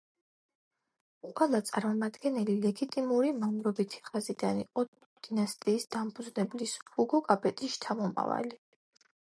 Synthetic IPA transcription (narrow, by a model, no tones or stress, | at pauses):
qʼwɛlˠat̪sʼaɾmɔmad̪ɡɛnɛlilɛɡit̪ʼimuɾimamɾɔbit̪ʰi̥χazid̪aniqʼɔt̪ | d̪̥inast̪ʼiːsd̪̥ampʰud̪znɛblisuɡɔkʼapʰʼɛt̪ʼiʃt̪ʰamɔma̰va̰li